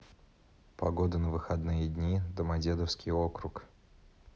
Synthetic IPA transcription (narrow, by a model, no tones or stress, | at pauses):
pɐɡo̞d̪ənəvɨxɐd̪nɨjəd̪ʲnʲid̪əmɐdʲe̞d̪əfskʲɪjokɾʊk